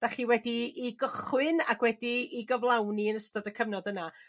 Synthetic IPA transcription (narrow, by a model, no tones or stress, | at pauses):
d̥aχiːwɛdiːɡəχwɨnaɡwɛdiːɡəvlˠawniənəstɔdəkʰəvnɔdəna